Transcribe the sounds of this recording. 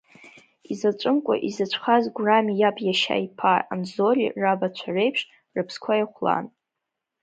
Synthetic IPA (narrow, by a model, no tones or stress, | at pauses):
izat͡ʃʷʼɨmkʷʼa̰ʔizat͡ʃʷʰχazɡʷramijapʰʼjaʃa̰jpʰaa̰mzorḭrabat͡ɕʷʰarejpʰʂ | rɨpʰskʷʰajaχʷla̰n